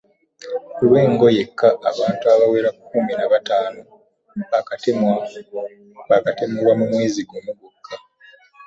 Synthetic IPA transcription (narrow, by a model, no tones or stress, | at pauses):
kulwe̞ːŋɡo̞je̞kʰːaːβaːntuaβawe̞ːɾakʰːuminaβataːno̞ | akatemwa | βakatemuwamumwe̞ːziɡomuɡukʰːa